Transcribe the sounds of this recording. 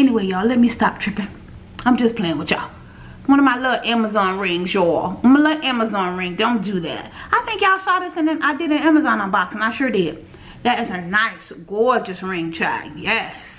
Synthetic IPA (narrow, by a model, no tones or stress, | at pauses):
ɛniweɪjɔlɛt̚mistɑ̰p̚tʰɹ̥ɪpɪ̃ŋ | ãɪ̃md͡ʒʌspʰl̥eɪɪ̃ŋwɨ̥t͡ʃa̰ | wʌ̃ñʌvmaɪlʌvʔæməzɑ̃nɹɪ̃ŋzjɔʌ̃nmaɪlʌʔæməzɑ̃nɹɪ̃ŋdõʊ̃nd̥ɨðæ̰t̚aɪθɪ̃ŋkaʊsɔðɪsɨ̃nðɨ̃nʔaɪdɨɾɨ̃næməzɑ̃nə̃nbɑksə̃nãɪʃʊɹdɪd̚ | ðɨɾɨzɨnaɪsɡ̥ɔɹd͡ʒɨsɹɪ̃ŋtʰɹ̥a̰jɛs